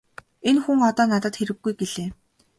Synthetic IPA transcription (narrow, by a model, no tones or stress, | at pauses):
enxuŋɔt̪ɔːnat̪ə̆t̪xeɾɘ̆ɡːujɡeɮeː